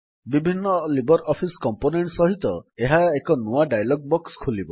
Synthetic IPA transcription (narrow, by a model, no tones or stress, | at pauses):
bibʱinːɔlibɔɾɔpʰiskɔmponeɳʈsɔɦit̪ɔeɦaekɔnuaɖajlɔɡ̚bɔkskʰulibɔ